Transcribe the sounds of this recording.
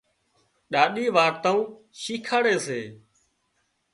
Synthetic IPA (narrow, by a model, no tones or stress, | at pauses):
ɗaːɗiːʋaːɾt̪ãːũː | ʃiːkʰaːɽeːseː